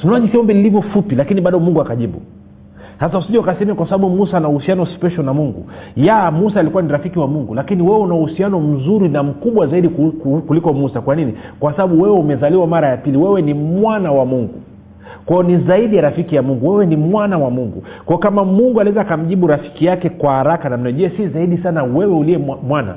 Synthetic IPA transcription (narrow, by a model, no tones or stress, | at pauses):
tunaaʄisiɔmbiilivjɔfupilakiniɓaɗɔmuŋɡuakaʄiɓṵ | hasausiʄɛakasɛmɛakwasaɓaɓumusanauhusianɔspɛʃɔlnamuŋɡṵjamusaːlikuwaniɾafikiwamuŋɡulakiniwɛwɛunauhusianɔm̩zuɾinam̩kuɓwazaiɗikulikɔmusakwaninikwasaɓaɓuwɛwɛumɛzaliwamaɾajapiliwɛwɛnimwanawamuŋɡu | kwajɔnizaiɗijaɾafikijamuŋɡuwɛwɛnimwanawamuŋɡṵkwajɔkamamuŋɡualiɛzakam̩ʄiɓuɾafi̥kijakɛkwahaɾakanam̩nɛʄɛɛsizaiɗisanawɛwɛuliɛamwana̰